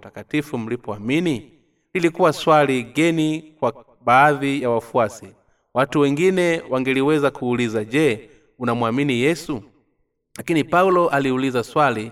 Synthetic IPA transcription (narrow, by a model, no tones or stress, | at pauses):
takatifum̩lipɔamini | lilikuwaswaliɡɛnikwa | baːðijawafuasi | watuwɛŋɡinɛwaŋɡɛliwɛzakuːlizaʄɛ | unamwaminijɛsu | lakinipaulɔʔaliulizaswali